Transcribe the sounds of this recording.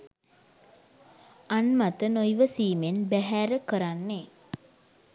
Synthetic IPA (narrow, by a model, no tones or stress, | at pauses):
anmat̪ənojʋəsiːmenbæɦæːɾəkəɾanːe